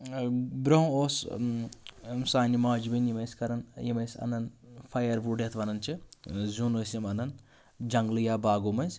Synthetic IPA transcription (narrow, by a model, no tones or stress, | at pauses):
bɾowoːs | saːnimaːd͡ʒibinjimɐsʲkɐɾɐnjimɐjsʲɐ̰nɐnfʰɐjɐɾʋuɖet̪ʰʋɐnɐnt͡ʃʰizʲuːnoːsimɐnɐn | d͡ʒɐŋɡlɨjaːbaːɡomɐnsʲ